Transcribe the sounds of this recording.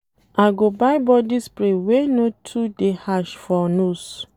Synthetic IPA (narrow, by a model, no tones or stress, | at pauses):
aɡobaɪjbɔdispɾewenotʰudehaʃfɔnos